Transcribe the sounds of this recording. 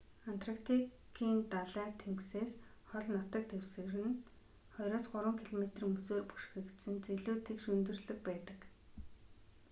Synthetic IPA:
an̥t̪ʰrakt̪ʰi | kʰiːnt̪aɮæːt̪ʰemkseːs | χɔɮnɔt̪ə̆k̚t̪ewsɘ̆ɣrɘ̆n | χɔjɾɔːsɢʊɾwə̆ŋkʰiɮɔmet̪rimɵsoːrpu̥ʃxĭkt̪sɘ̆nt͡seɮuːt̪ʰekʃɵnt̪ɵ̆rɮɵ̆k̚pæːt̪ə̆k

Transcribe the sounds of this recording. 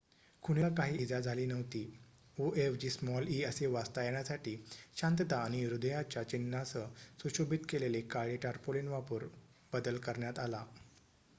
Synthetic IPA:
kʰuɽ̃elakaɦiːd͡zad͡zʱaliːnəʋt̪iː | oefd͡ʑiːsmɔliəseʋast̪ajaɳ̃jasaʈiːɕãnt̪ət̪ãːiɾud̪əjat͡ɕjat͡ɕinːasəsuɕobit̪kelelekaɭiʈaɾpolenʋapuːɾ | b̥əd̪əlkəɾɳjat̪ala

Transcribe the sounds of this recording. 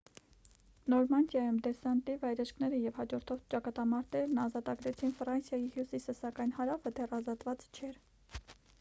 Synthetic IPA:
nɔɾmɑnd̪jɑjumd̪ɛsɑnt̪ivɑjɾɛʃkʰnɛɾəjɛvhɑd͡ʒɔɾt̪ʰɔvt͡ʃɑkɑt̪ɑmɑɾt̪ɛɾnɑzɑt̪ɑɡɾɛt͡sʰinfrɑnsjɑjihjusisəsɑkɑjn̪hɑɾɑfət̪ʰɛrɑzɑt̪vɑt͡st͡ʃʰɛɾ

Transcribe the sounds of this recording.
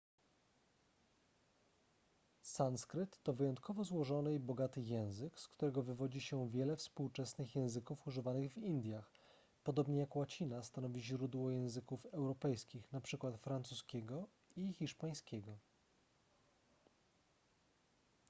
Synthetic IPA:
sanskɾɘt̪ːɔvɘjɔnt̪̚kɔvɔzwɔʐɔnɘibɔɡat̪ɘjɛ̃w̃zɘkskt̪uɾɛɡɔvɘvɔd͡ʑiɕɛvʲjɛlɛfspuwt͡ʂɛsnɘxjɛ̃w̃zɘkufuʐɘvanɘɣvind̪ʲjax | pɔd̪ɔbɲɛjakwat͡ɕinast̪anɔvʲiʑɾud̪wɔjɛ̃w̃zɘkufɛwɾɔpɛjskʲixnapʂɘkwat̪fɾant̪suskʲɛɡɔ | ixʲiʂpaj̃skʲɛɡɔ

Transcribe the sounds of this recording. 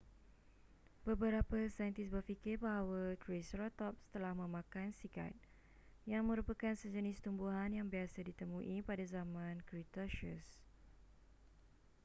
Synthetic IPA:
bəbəɾapasajənt̪isbərfikɪrbaɦawat̪ɾesɾɔt̪ɔp̚st̪əlahmə̃mãkansika̰t̪̚ | jaŋmə̃ɾupəkansəd͡ʒənɪst̪umbuɦanjaŋbiasadit̪əmũʔipadazamãnkɾit̪ɔʃəs

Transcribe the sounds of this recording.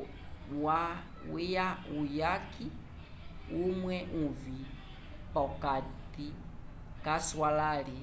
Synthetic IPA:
wa | ijaujaki | umwɛuvi | pɔkati | kaswalali

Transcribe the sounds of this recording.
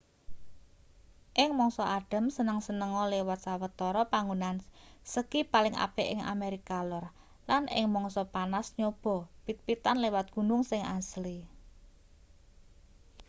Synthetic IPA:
ʔɪŋmɔŋsɔʔaɖ̥ə̤msənəŋsənəŋɔlewat̪̚sawət̪ɔɾɔpaŋunansəkipalɪŋʔa̰pɛʔɪŋa̰meɾikalʊr | lanʔɪ̰ŋmɔŋsɔpanasɲob̥ɔ̤pit̪̚pit̪anlewat̪̚ɡ̥ṳnʊŋsɪŋʔasli

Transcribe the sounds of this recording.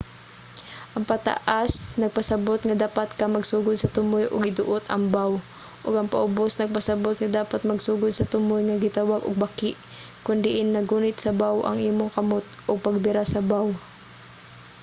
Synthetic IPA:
ʔɐŋpɐt̪a̰ʔasnɐɡ̚pɐsɐbot̪ŋɐd̪aːpat̪kamɐɡsuːɡʊd̪̚sɐt̪ʊmojʔʊ̰ɡɪd̪ʊʔʊt̪ɐ̰mbaw | ʔʊɡɐŋpɐ̰ʔʊbosnɐɡ̚pɐsɐbot̪̚ŋad̪aːpat̪̚mɐɡsuːɡʊd̪̚sɐt̪ʊmʊjŋaɡɪt̪awaɡo̰ɡ̚bakɪʔ | kʊnd̪ɪʔɪnnɐɡuːnɪt̪sɐbawʔɐ̰ŋʔiːmoŋkɐmot̪̚ʔʊɡ̚pɐɡ̚bɪɾasɐbaw

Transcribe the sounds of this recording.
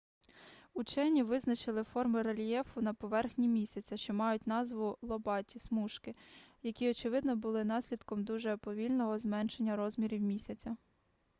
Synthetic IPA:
ut͡ʃɛnʲiʋɪznɐt͡ʃɪlˠɪfɔrmɪɾɐlʲijɛfʊnɐpɔʋɛrxnʲimʲisʲɐt͡sʲɐʃt͡ʃɔmɑjʊtʲnɑzʋʊlˠɔbɑtʲismuʃkɪjɐkʲiɔt͡ʃɪʋɪd̪nɔbʊlˠɪn̪ɑsʲlʲid̪kɔmd̪uʒɛpɔʋʲilʲnɔɦɔzmɛnʃenʲːɐɾɔzmʲiɾʲiwmʲisʲɐt͡sʲɐ

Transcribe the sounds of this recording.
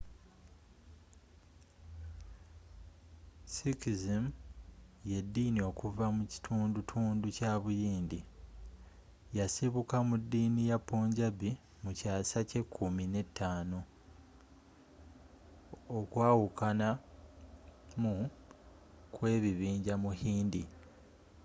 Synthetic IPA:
sikizim | jedːinio̞kuvamuci̥tʰuːndutʰuːnducaːβujiːndi | jasiβukamudːiːnijapːoːɲɟabi | mucaːsace̞kʰːumine̞tːaːno̞ | kwaːwukana | mu | kwe̞ːβiβiːɲɟamuhiːndi

